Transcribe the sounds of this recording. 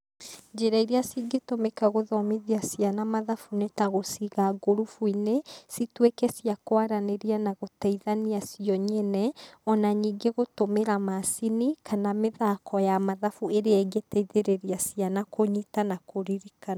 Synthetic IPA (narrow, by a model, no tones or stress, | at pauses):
d͡ʒeɾaiɾeasiɡetomekaɣoðɔmiðiasijanamaðafunetaɣosiɣaɡoɾufuinesitwekɛsiakwaɾaneɾianaɣotɛiðaniasiɔɲɛnɛɔnaɲiːɡeɣotomeɾamasinikʰanameðakʰɔjamaðafueɾeɛɡetɛiðeɾeɾiasianakoɲitanakoɾiɾika